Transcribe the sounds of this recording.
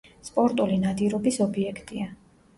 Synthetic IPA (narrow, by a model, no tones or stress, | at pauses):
spʼɔɾt̪ʼulinad̪iɾɔbisɔbiɛkʰt̪ʼia